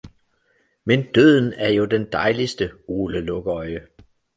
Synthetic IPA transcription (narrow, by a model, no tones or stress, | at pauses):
mend̥øð̞̰ˠn̩æɐjo̝d̥end̥ɑ̈ɪlisd̥əo̝ːləlɔɡ̥əɒ̽ɪə